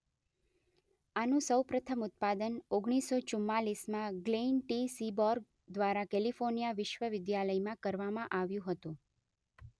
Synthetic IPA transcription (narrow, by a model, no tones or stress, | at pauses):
anũsəwpɾət̪ʰəmʊt̪̚pad̪ənoɡɳ̃isot͡ʃumːalismãɡlenʈisibɔɾɡ̚ | d̪ʋaɾakɛlifoɾnijaʋɪʃʋəʋɪd̪jaləjmãkəɾʋamãʔaʋjũɦət̪ũ